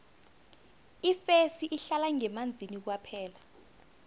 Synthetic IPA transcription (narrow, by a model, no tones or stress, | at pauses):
ifesiʔiɬalaŋɛmand͡zʱinik̬wapʰɛːla